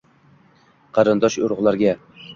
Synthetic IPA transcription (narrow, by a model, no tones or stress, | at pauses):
qʰɑɾɨnd̪ɒʃʊɾʁlˠaɾɡʲa